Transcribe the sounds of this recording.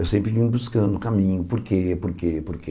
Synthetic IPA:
ewsẽmpɾɪvĩɲubuskɐ̃nd̪ukamĩɲupuɾkepuɾkepuɾke

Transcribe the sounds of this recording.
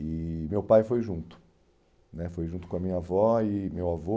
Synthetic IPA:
ɪmewpajfojʒũnt̪ʊ̥ | nɛfojʒũt̪ʊ̥kõɐmĩɲɐavɔɪmewavo

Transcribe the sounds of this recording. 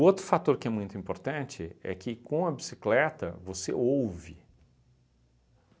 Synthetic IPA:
ʊowt̪ɾʊfat̪oɾkɪɛmũj̃t̪ʊĩmpoɾt̪ɐ̃nt͡ʃɪɛ̰kɪkõɐbisi̥klɛt̪ɐ̰vosḛowvɪ

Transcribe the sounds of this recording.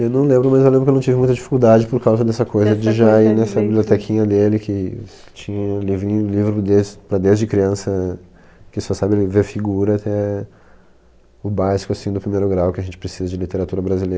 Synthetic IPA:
ewnɐ̃w̃lẽmbɾʊmɐzewlẽmbɾkenɐ̃w̃t͡ʃivɪmũt̪d͡ʒifi̥kuwd̪ad͡ʒɪpoɾkawzɐd̪ɛsɐkojzɐd͡ʒɪʒainɛsɐbibliot̪ɛkʰĩɲɐd̪elɪkʰɪt͡ʃĩɲɐlivĩlivɾʊd̪ewspɾɐd̪ewzd͡ʒɪkɾiɐ̃sɐ | kɪsɔsabɪlɪveɾfiɡuɾɐat̪ɛ | ʊbajskʊasĩd̪ʊpɾimejɾʊɡɾawkɪɐʒẽnt͡ʃɪ̥pɾesizɐd͡ʒɪlit̪eɾat̪uɾɐbɾazilejɾɐ

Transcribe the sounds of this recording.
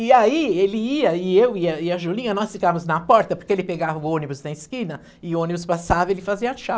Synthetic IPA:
ɪaielɪiɐɪewiɐiɐʒulĩɲɐnɔsfikɐ̃mʊznɐpɔɾt̪ɐpoɾkeelɪpeɡavɐʊõnibʊznɐɪskĩnɐ | ɪʊõnibʊspasavɐelɪfaziɐʃa

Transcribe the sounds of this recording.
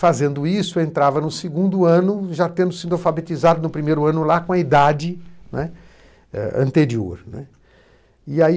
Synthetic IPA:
fazẽnd̪ʊisʊẽnt̪ɾavɐnʊsɪɡũnd̪ʊɐ̃nʊʒat̪ẽnd̪ʊsĩd̪ʊawfabet͡ʃizad̪ʊnʊpɾimejɾʊɐ̃nʊlakõɐid̪ad͡ʒɪnɛ | ɛ̰ɐ̰̃nt̪eɾio̰ɾnɛ̰ | iai

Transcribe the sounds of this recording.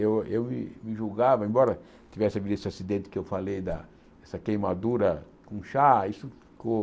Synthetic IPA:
ewewmɪ̰mɪʒuɡavɐẽmbɔɾɐ | t̪ivɛsɪavid̪ɐesɪasid̪ẽnt̪ɪ̥kɪewfalejd̪ɐ | ɛsɐkejmad̪uɾɐ | kõʃaisʊfi̥ko

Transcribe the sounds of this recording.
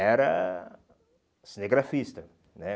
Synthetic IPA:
ɛɾɐ | sineɡɾafist̪ɐ | nɛ

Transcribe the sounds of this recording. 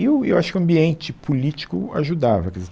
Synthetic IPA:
iʊḛwʔaʃʊ̥kɪʊ̃ɐ̃mbiẽnt͡ʃɪpʰolit͡ʃi̥kʊ̰a̰ʒud̪avɐkezut̪

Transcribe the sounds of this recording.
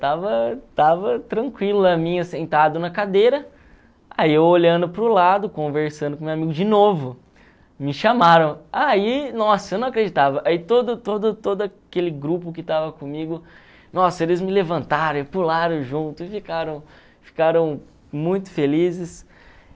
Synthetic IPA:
t̪avɐt̪avɐt̪ɾɐ̃ŋkwilʊɐmĩɲɐsẽnt̪ad̪ʊnɐkad̪ejɾɐ | aiewoʎɐ̃nd̪ʊpɾʊlad̪ʊkõveɾsɐ̃nd̪ʊkõmewamiɡʊd͡ʒɪnovʊ | mɪʃamaɾɐ̃w̃ainɔsɐewnɐ̃w̃akɾed͡ʒit̪avɐʔait̪od̪ʊt̪od̪ʊt̪od̪ʊɐkelɪɡɾupʊkɪt̪avɐkõmiɡʊ | nɔsɐelɪzmɪlevɐ̃nt̪aɾɐ̃pulaɾɐ̃w̃ʒũt̪ʊɪfikaɾɐ̃w̃ | fi̥kaɾɐ̃w̃ | mũj̃t̪ʊ̥felizɪs

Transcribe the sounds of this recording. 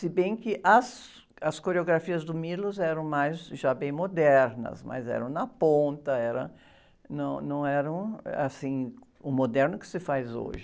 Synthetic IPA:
sɪbẽj̃kɪʔɐs | ɐskoɾeoɡɾafiɐzd̪ʊmilʊzɛɾɐ̃w̃majzʒabẽj̃mod̪ɛɾnɐ̰smɐ̰zɛ̰ɾɐ̃w̃nɐpõnt̪ɐɛɾɐ̰ | nɐ̃w̃nɐ̃w̃ɛɾɐ̃w̃a̰sĩ | ʊmod̪ɛɾnʊkɪ̥sɪfajzo̰ʒɪ

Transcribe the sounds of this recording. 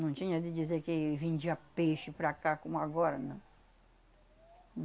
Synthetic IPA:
nɐ̃w̃t͡ʃĩɲɐd̪ɪdizeɾkɪvẽd͡ʒiɐpeʃɪpɾakakõmʊaɡɔɾɐnɐ̃w̃

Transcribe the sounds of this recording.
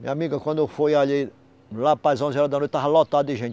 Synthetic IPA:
mḭamiɡɐkwɐ̃nd̪ɛfojaʎi | lapajzɐ̃zɛɾɐd̪anot̪aɦalɔt̪ad̪iʒẽnt̪

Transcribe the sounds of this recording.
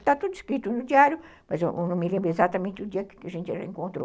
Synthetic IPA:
t̪at̪od̪iskɾit̪unʊd̪iaɾjʊ | mɐsʔnõmelẽmbɾezat̪amẽnt̪ɪud̪iɐkkeʒẽnt̪erḛ̃ŋkõnt̪ɾo̰

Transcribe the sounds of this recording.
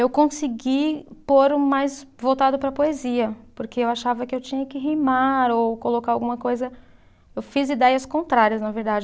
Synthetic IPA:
ewkõsiɡipoɾʊmajzvowt̪ad̪ʊpɾɐpoeziɐpoɾkeewaʃavɐkɪewt͡ʃĩɲɐkɪɦijmaɾowkolokaɾawɡũmɐkojzɐ | ewfizid̪ɛjɐskõnt̪ɾaɾiɐznɐveɾd̪ad͡ʒɪ

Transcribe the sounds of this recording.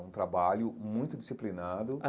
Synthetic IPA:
ũt̪ɾabaʎʊmũj̃t̪ʊd͡ʒisiplinad̪ʊ

